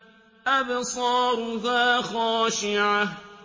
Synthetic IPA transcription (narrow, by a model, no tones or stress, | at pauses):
ʔabsˤɑːɾʊðaːxɔːʃɪʕa